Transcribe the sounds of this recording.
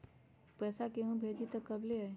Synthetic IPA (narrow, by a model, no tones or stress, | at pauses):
pɛːsakeɦũbʱed͡ʒit̪əkəbleɦəj